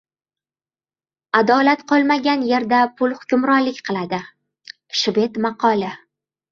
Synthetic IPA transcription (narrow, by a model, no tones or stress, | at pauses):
ad̪ɒlat̪qʰɒlˠmaɡʲanje̞ɾd̪apʰʊlˠhʊkʲʰʊmɾɒnlɪkʲqʰɨlˠad̪ɪ | ʃɪbe̞t̪maqʰɒlɪ